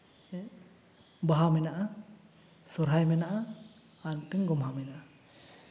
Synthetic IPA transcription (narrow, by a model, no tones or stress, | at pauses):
baɦamɛnaʔa | sɔɾɦajmɛnaʔaː | ntɯŋɡɔmɦamɛnaʔa